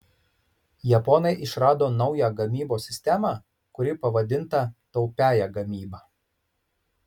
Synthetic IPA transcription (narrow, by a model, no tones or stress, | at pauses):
jɛpɔnɐɪʔɪʃɾɑːd̪oːnɒʊjæɡɐmʲiːboːsʲɪsʲt̪ʲɛmɑ | kʊɾʲɪpɐʋɐd̪ʲɪnt̪ɐt̪ɒʊpʲæːjæːɡɐmʲiːbɑː